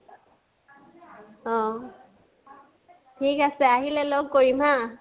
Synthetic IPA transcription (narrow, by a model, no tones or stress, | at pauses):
ɔ | tʰikasɛaɦilɛlɔɡ̚koɹima